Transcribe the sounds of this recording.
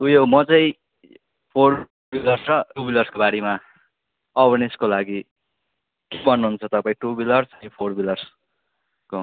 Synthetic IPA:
ujomʌt͡saĩ | pʰor | bilʌrsʌʈubilʌrskobaɾema | ʌbʌneskolaɡi | kebʌnːuɦunt͡sʰʌt̪ʌpaĩʈubilʌrsʌĩpʰorbilʌrs | ko

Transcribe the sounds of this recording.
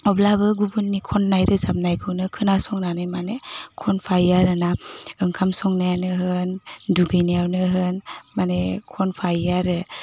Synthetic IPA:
ɔblabɯɡubunːikʰɔnːajɾɯzap̚najkʰɯwnɯkʰɯnasɔŋnanɯjmanekʰɔnpʰajaɾɯnaɯŋkʰamsɔŋnajanɯɦɯnduɡɯjnijawnɯɦɯnmanekʰɔnpʰajaɾɯ

